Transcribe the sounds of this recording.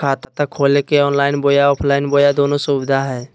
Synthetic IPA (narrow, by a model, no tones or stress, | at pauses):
aːt̪at̪ɐkʰoːlekeɔːnlaːɪnboːjaɔːpʰlaːɪnboːjad̪oːnosuːbɪd̪ʱaɦɛː